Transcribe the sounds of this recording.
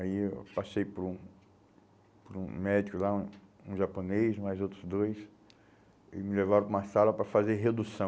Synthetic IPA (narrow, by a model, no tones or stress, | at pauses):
aiewpasejpɾũ | pɾṵ̃mɛd͡ʒikʊlaũũʒaponejzmajzowt̪ɾʊzd̪ojs | ɪ̰mɪlevaɾõũmɐsalɐpɾɐfazeɾɦed̪usɐ̃